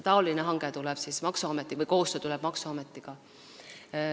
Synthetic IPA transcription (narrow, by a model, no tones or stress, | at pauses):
t̪ɑolineɦɑŋɡ̥e̞t̪ulɛb̥siːsmɑksuɑmet̪ˑːivɤjko̞ːst̪øt̪ulɛb̥mɑksuɑmet̪ːˑiɡ̥ɑ